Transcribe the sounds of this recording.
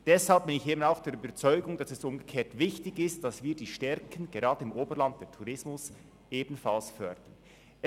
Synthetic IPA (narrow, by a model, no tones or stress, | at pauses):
d̥ɛshalp̚bɪnɪçeːbənaʊxd̥eːɐɾyːbɐt͡sɔʏɡʊŋdɑsɛsʊmɡəkʰeːɐtvɪçtɪçɪst̚d̥asviːɐdiːʃtɛɾkʰən̩ɡeɾaːdəɪmʔoːbəɾlant̚d̥eːɐtʰuɾɪsmʊs | ʔeːbn̩falsfœɾd̥ən